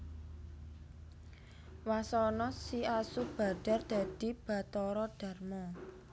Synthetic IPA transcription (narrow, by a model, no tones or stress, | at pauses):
wasɔnɔsiasub̥a̤d̥a̤rd̪̥a̤d̪̥i̤b̥a̤t̪ɔɾɔɖ̥a̤rmɔ